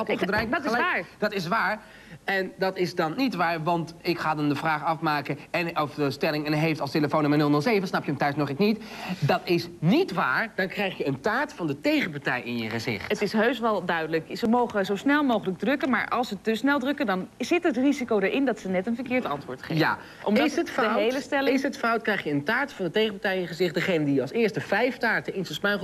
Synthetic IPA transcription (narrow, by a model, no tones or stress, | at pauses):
tdrɛjlaːɹd̥ɑtɪs̬ʋaːɹ | ɛndɑtɪsdɑnːitʋaːɹʋɑntɪkχaːdɑndəvraːχɑfmaːkənɛnɔfdəstɛlɪŋɛnɦejftɑlˠsteləfonʊmənɵlˠnɵlˠzejvənsnɑpjəəmtœɥsnɔχɪknitdɑtɪsnitʋaːɹd̥ɑnkrɛjχjəəntaːɹtfɑndətejχəpaɹtɛjɪ̰njəχəzɪ̰χtətɪsɦøɥsʋɛlˠdœɥdələksəmowχəzowsnɛlˠmowχələɡ̚drɵkənma̰ːɹʔɑ̰lˠsətəsnɛlˠdrɵkəndɑnz̥ɪtɦətrizikowdəɹʔɪndɑtsənɛtənvəɹkɪːɹtɑ̰ntʋʊːɹtχḛja̰ | ɔ̰mdsətfdəɦejləstɛlɪɪsətfawt̚krɛjχjəəntaːɹtfɑndətejχəpaɹtɛjɪ̃njəχəzɪχt̚dəχejnədijəɑlˠsɪːɹstəvɛjftaːɹtənɪnsəsmɛχ